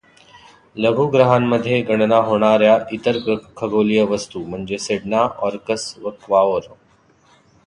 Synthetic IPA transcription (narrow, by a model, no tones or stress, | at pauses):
ləɡʱuɡɾəɦãmməd̪ʱːjeɡəɽ̃naɦoːɽ̃aːɾjaʔit̪əɾɡkʰəɡoːlijəʋəst̪um̤əɳd͡zeseɖnaʔɔːɾkəsʋəkʋaʋəɾ